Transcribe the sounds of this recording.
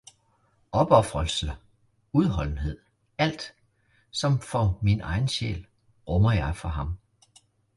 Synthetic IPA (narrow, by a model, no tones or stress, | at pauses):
ʔɒ̽b̥ɒfʁɒl̰sl̩ | uð̞ˠɦɒ̽l̰n̩ɦe̝ð̞̰ˠ | æl̰d̥ | sɒ̽mfɒ̽minɑ̈ɪn̩ɕḛːl | ʁɔmɐjɑ̈ɪfɒɦɑ̈m